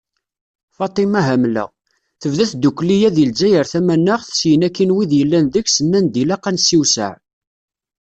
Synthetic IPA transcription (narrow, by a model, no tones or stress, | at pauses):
fɑt̪ˤimæɦæmlæ̰ | θəvðæθd̪ukʷːlijæðild͡ʒæjəɾθæmænːəʁθsjənækːinwiðjəlːænðəçsənːænd̪ilæqːænsiwsə̰ʕ